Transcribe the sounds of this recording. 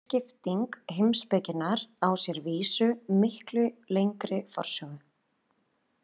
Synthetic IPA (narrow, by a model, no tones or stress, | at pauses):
cɪft̪iŋkhemspɛcɪnaɾawsjɛɾviːsʏmɪhklʏlejŋkɾɪfɔ̰r̥sjɔɣʏ